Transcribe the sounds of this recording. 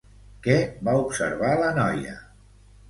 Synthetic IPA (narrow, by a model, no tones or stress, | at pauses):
kɛbaupsə̰ɾβalənɔjə̰